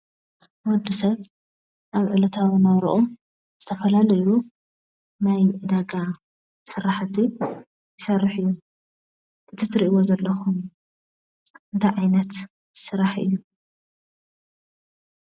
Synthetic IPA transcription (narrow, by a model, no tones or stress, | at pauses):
wɔd̪ːisɐβ | ʔaβʕɨlɐt̪ʰawɨnɐβɾṵʔom | z̥ɨt̪ʰɐfɐlalɐju | najʕɨd̪aɡa | sɨɾaħt̪ʰi | jɪsɐrːɨħɨjːu | ʔɨt̪ʰit̪ʰɾiʔiwozɐlːɐxum | ɨnt̪ʰajʕajnɐt̪ | sɨɾaħʔɨ̰jːu